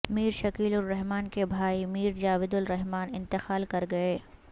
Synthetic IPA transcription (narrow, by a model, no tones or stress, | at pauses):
miːɾʃɐkiːlʊɾːɛɦmaːnkebʱaːimiːɾd͡ʒaːʋɪd̪ʊlɾɛɦmaːnɪ̃nt̪ɪxaːlkɐɾɡɐeː